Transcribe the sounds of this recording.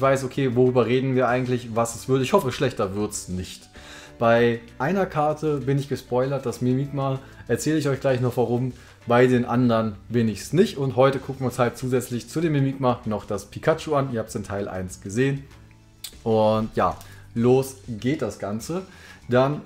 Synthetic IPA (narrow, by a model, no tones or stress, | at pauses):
ɪçv̥aɪsokʰeːvoʁyːbɐʁeːdn̩viːɐʔaɪɡŋ̩tlɪçvasɛsv̥ɪɐtɪçhɔfəɛʃlɛçtɐvɪɐtsnɪçt | b̥aɪʔaɪnɐkʰaɐtʰəbɪnɪçɡ̥əspɔʏlɐt̚d̥asmemiːkma | ʔɛɐt͡sɛːləɪçɔʏçɡ̥laɪçnɔχv̥aʁ̞ʊm | baɪdeːnʔandɐnbɪnɪçsnɪçtʊntɦɔʏtəkʰʊk̚n̩viʊnshalt̚t͡suːzɛt͡slɪçt͡sudeːmːemiːkmanɔχd̥aspʰikʰat͡ʃoanɪɐhaːptsɪntʰaɪlʔa̰ɪnsɡ̥əzeːən | ʔʊntja̰ːloːsɡeːt̚d̥asɡ̥ant͡səd̥an